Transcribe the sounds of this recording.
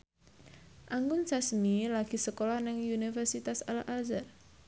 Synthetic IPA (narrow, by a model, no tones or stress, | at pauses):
ʔaŋɡʊnsasmilaɡ̥i̤səkolahnɪŋunifərsit̪asalaʔazar